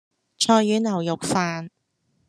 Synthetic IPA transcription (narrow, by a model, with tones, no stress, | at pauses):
t͡ʃʰɔː˧jyː˨˥nɐ˨˩wjʊ˨k̚faː˧n